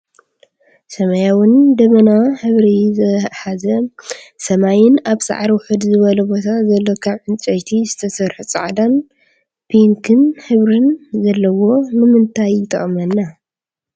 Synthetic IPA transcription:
sɐmɐjawʊnd̪ɐmɐnaħɨβɾizɐħazɐsɐmajɪnaβsa̰ʕɾiwʊħɨd̪zɨβɐlɐbo̞t̪ʰazɐlːokʰaβʕɨnt͡ʃʼɐjt̪ʰizɨt̪ʰɐsɐɾħut͡sʼa̰ʕd̪an | pʰiŋkʰɨnħɨβɾɨnzɐlːɐwo̞nɨmɨnt̪ʰajːɪt̪ʰʼɐ̰χʼmɐnːa

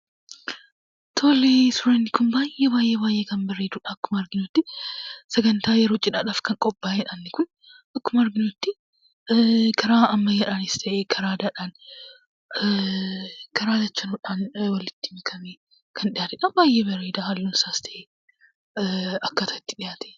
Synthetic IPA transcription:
t̪ʰo̞ːleːsʊɾɐnːɪkʊnbaːjebaːjʔːeːbaːjʔeːkɐmbɐrːeːd̪uːᶑaɐkːʊmɐɾɡɪnot̪ːɪsɛɡɐnt̪aːjɛɾo̞ːt͡ʃʼɪᶑaːᶑaːfkɐŋkʼɔbːaːjɛᶑaːnːɪkʊn | ʔɐkːʊmɐɐɾɡɪnot̪ːɪ | kʰɐɾaːɐmːɐjɛᶑaːnɪst̪ʰɐʔeːkʰɐɾaːd̪aːᶑaːn | kʰɐɾaːd̪ɐt͡ʃːɐnuːᶑaːnwɐlɪt̪ːɪmkʰɐmeː | kʰɐnᶑɪjaːt̪ɛᶑɐbaːjʔeːbɐrːe̞ːd̪aːhɐlːuːnɪsaːst̪ʰɐʔeː | ɐkːɐt̪ʰɐɪt̪ːɪᶑɪjaːt̪ɛ̥

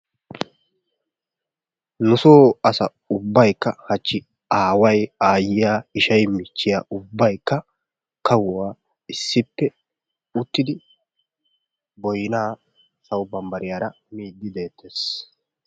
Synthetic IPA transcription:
nʊsoːɐsɐ | ʊbːɐjkːɐhɐt͡ʃːɪ | aːwɐjaːjɪjaːɪʃɐjmɪt͡ʃːɪjaːʔʊbːɐjkːɐ | kɐwʊwaː | ɪsːɪpːɛ | ʊt̪ːɪd̪ɪ | bɔjɪnaː | sɐwbɐmbɐɾɪjaːɾɐ | miːd̪ːɪd̪e̞ːt̪ʰːeːs

